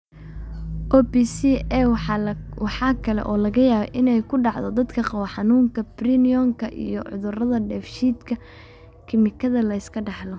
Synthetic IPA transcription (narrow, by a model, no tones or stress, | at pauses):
ʔɔːbisiɛ | wɑħɑːkʰɐlɛ̰ʔɔːlɐɣɐjaːβɛ̰ʔɪnɛjkʰʊɖɑʕd̪ɔd̪ɐd̪kʰɐqɑwɐħɑnuːŋkʰɐbrinijɔŋkʰɐʔḭjɔʕʊ̰ðʊrɐðɐɖɛːfʃiːd̪kʰɐ | kʰɪmɪkʰɐðɐlɐɪskʰɐɖɑħlɔ